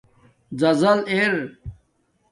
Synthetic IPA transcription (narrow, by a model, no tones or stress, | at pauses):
d͡zɐzɐleɾ